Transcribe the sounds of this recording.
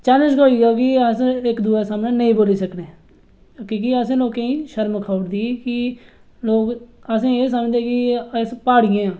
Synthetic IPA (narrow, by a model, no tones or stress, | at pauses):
t͡ʃaːləʃkoːiːɡaːkɪəsɪkd̪uːaːsaːmnẽːnəĩːboːliːsəkneː | kiːkiəsẽːloːkẽːĩːʃəɾmkʰaːʊɽd̪iːkɪ | loːkəsẽːes̬əmd͡ʒd̪ẽːkɪspaːɽɪjẽːãː